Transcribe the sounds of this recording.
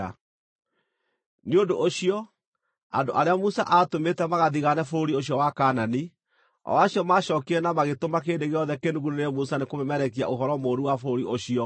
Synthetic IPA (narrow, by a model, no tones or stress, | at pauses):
a̰ | niondoʔoɕiɔ | a̰ndo̰ʔaɾeamusa̰ʔatometɛmaɣaðiɣanɛfoɾoɾioɕ̬jɔwakaːnani | ɔ̰waɕjɔmaɕɔːkiɛnamaɣetomak̬eːndeɣeɔðɛkenduɣuneneɛmusanekomɛmɛɾɛkia̰ʔoɦɔɾɔmoːɾuwafoɾoɾiʔoɕiɔ